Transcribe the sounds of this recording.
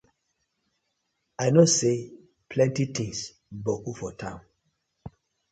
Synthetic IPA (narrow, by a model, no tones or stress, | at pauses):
ajnose | pʰlɛ̃ntit̪ĩŋs | bɔkufɔtʰãʊ̃n